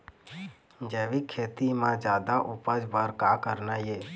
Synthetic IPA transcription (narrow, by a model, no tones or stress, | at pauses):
d͡ʒɛːʋikʰeːt̪imãd͡ʒjaːd̪aʔʊpəd͡ʒbəɾkaːkəɾnajeː